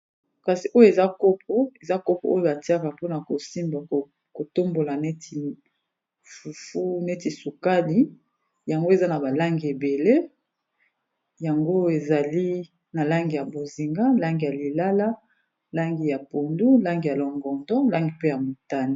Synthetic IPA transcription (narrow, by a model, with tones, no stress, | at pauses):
ka˨si˨ʔo˦jo˨e˨za˦ko˦p̚ʰo˦e˨za˦ko˦po̰˨o˦jo˦ba˨ti˦a˦ka˨po˦na˨ko˨si˦mba˨ | ko˨to˦mbo˨la˨ne˦ti˨ | fu˨fu˦ne˦ti˨su˨ka˦li˨˦ | ja˨ŋɡo˦e˨za˦na˨ba˨la˦ŋɡi˨e˨be˨le˦ | ja˨ŋɡo˦e˨za˨li˦ | na˨la˦ŋɡi˨ja˨bo˨zi˨ŋɡa˦la˦ŋɡi˨ja˨li˨la˦la˦ | la˦ŋɡi˨ja˨po˨ndu˦la˦ŋɡi˨ja˨lɔ˨ŋɡɔ˨ndɔ̃˦la˦ŋɡi˨pe˦ja˨mo˨ta˦ni˦˨